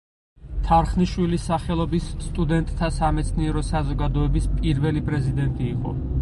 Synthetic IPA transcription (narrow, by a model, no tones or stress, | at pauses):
t̪ʰaɾχniʃwilisaχɛlˠɔbisːt̪ʼud̪ɛnt̪ʼt̪ʰːasamɛt̪sʰniɛɾɔsazɔɡad̪ɔɛbispʼiɾvɛlipʼɾɛzid̪ɛnt̪ʼiːqʼɔ̰